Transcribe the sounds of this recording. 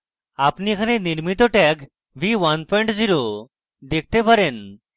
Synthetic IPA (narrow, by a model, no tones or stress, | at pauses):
apnikʰaneniɾmit̪ɔʈɛk | ʋiʋənpɔjɳʈd͡ziɾo | d̪ek̚ʰt̪epəɾen